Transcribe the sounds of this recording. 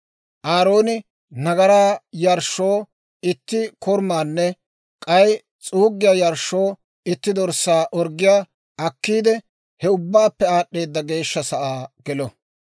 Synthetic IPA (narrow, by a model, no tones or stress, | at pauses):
ʔaːɾoːnɪ | nɐɡɐɾaːjɐɾʃːo̞ː | ɪt̪ːɪkʰɔɾmaːnːɛ | kʼɐj | t͡sʼuːɡːɪjaːjɐɾʃo̞ː | ɪt̪ːɪd̪ɔɾsaːʔɔɾɡːɪjaː | ɐkːiːd̪ɛ | hɛʊbːaːpːɛaːɗːe̞ːd̪ːɐɡe̞ːʃːɐsɐʔaːɡ̥ɛlɔ